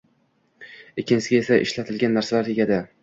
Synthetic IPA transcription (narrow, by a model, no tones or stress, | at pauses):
ekʲːɪnt͡ʃsɪɡʲe̞saʔɪ̰ʃlat̪ʰɪlɡʲanːaɾsalaɾjeɡʲad̪ɪ